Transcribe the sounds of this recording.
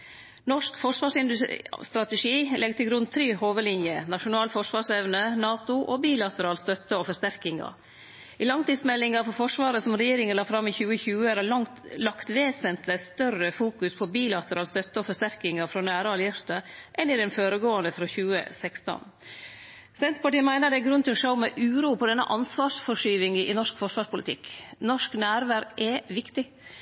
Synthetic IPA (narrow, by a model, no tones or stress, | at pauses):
nɔʂkfɔʂʋɑːʂɪnd̪ʉst̪ɾɑt̪ɛʂiːlɛɡt̪ʰɪlɡɾʉnt̪ʰɾeːhoːʋəlɪnjənɑʂʊnɑːlfɔʂʋɑːʂɛʋnənɑːt̪ʊʔɔbiːlɑt̪əɾɑːlst̪œt̪ːəɔfɔʂt̪æɾkɪŋɑ̰ | iːlɑŋt̪iːd̪smɛlːɪŋɑfɔɾfɔʂʋɑːɾəsɔmɾɛjeːɾɪŋənlɑːfɾɑmːiçʉːəçʉːəɾæɑŋlɑkt̪ʋeːsənt̪əst̪œrəfuːkʉspʰɔbiːlɑt̪əɾɑːlst̪œt̪ːəɔfɔʂt̪æɾkɪŋɑfɾɔːnæːɾəɑljɪɾt̪əʔɛnɪd̪ɛnføːɾəɡoːɑnd̪əfɾɔçʉːə̰sɛkst̪ɔ̰n | sɛnt̪pɑʈiːəmæɪnəɖ̪ɛæɡɾʉnt̪ʰɪlɔʂoʊmɛʔʉːɾuːpʰɔd̪ɛnːə̰ʔɑnsʋɑːʂfɔʂyːʋɪŋʔɪ̰nɔʂkfɔʂʋɑːʂpʊlɪ̰t̪ʰɪ̰knɔʂknæːɾʋæːɾɡɛʋɪkt̪ɪ